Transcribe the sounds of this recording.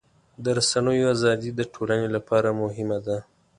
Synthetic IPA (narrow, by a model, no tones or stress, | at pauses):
d̪əɾasanəjoazɑd̪id̪əʈʰolanelapɑɾamʊɦɪmad̪a